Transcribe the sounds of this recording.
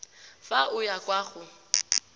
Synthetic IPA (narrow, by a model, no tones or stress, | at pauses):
faʊjakʼwaːχʊ